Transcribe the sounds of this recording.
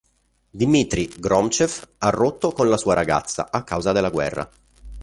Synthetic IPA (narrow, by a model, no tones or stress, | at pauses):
d̪imit̪ɾiɡɾɔmt͡ʃefarːot̪ːokonlasuːaɾaɡa̰t̪sːa̰ʔakːawzad̪elːaɡwɛ̰rːa̰